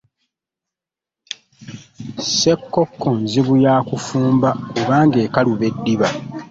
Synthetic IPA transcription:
se̞kːokːonziβujaːkufuːmbakuβaːŋɡe̞ːkaluβe̞dːiβa

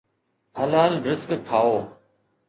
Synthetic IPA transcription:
həlaːlɾɪskkʰːaːoː

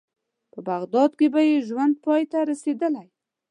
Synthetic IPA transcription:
pəbaɣd̪ɑd̪kebajeʒwand̪̚pɑjt̪aɾased̪əlaj

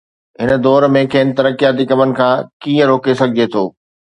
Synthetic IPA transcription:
ɦɪnəd̪ɔːɾmẽkeːn̆t̪ɐɾəkijaːt̪ikɐmənɪ̆kʰãːkĩːə̃ɾoːkesɐɡʱɪd͡ʑet̪ʰoː

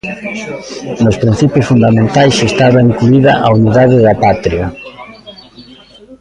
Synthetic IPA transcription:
nospɾin̟θipjʊsfund̪amẽnt̪ajsest̪aβaiŋkluiðɐʔauniðaðɪðapat̪ɾiɐ

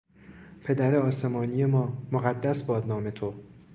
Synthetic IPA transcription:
pʰe̞d̪æɾeɒːse̞mɒːnije̞mɒːmoɣæd̪ːæsbɒːd̪nɒːme̞t̪ʰo̞

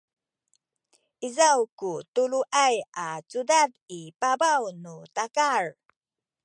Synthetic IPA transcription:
ʔizawkutuɭuʔajat͡sudadipabawnutakaɹ

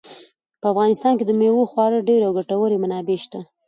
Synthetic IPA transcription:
pəafɣɑnɪst̪ɑnked̪əmewoxwɑɾəɖeɾawɡaʈawəɾemanɑbeʃt̪a

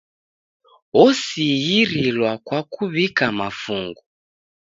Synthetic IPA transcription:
ɔsijiɾilwakwakuβikamafuŋɡu

